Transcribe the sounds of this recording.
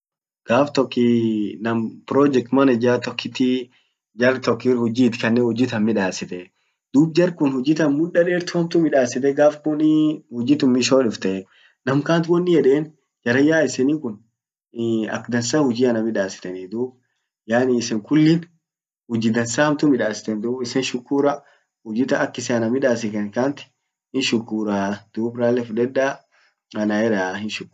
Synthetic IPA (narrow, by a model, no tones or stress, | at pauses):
ɡ̥aːft̪ɔkːɪnɐmpɾɔːd͡ʒɛk̚t̪mɐnɐɪd͡ʒaːt̪ɔkːɪt̪ːɪ | d͡ʒɐrt̪ɔkːihʊd͡ʒiːt̪ːɪ̥kɐnːeːhʊd͡ʒɪːt̪ɐnmɪᶑaːsɪt̪ɛ | d̪uːb̚d͡ʒɐrkʊnhʊd͡ʒɪːt̪ɐnmʊᶑːɐᶑeːɾt̪ʊhɐmt̪ʊmɪᶑaːsɪt̪ɛɡaːfkʊnhʊd͡ʒiːt̪ʊmmɪʃoːᶑɪft̪ɐʔɛ | nɐmkaːnt̪wɔnːɪjɛᶑeːn | d͡ʒɐɾɐjaːɪsɪniːkʊn | ɐ̰kd̪ɐnsaːhʊd͡ʒiːɐnɐmɪᶑaːsɪ̥t̪ɐnid̪uːb | jaːniɪsɛŋkʊlːɪn | hʊd͡ʒiːd̪ɐnsaːhɐmt̪ʊmɪᶑaːsɪ̥t̪ɛnd̪uːbɪsɛnʃʊkːuːɾɐ | hʊd͡ʒɪːt̪ɐːkːɪsɛɐnɐmɪᶑaːsɪkɛnkaːnt̪ɪ̥ | hɪnʃʊkːuːɾad̪̥uːbɾaːlːɛfʊᶑɛᶑa | ɐnaɛɾaːhɪnʃʊkː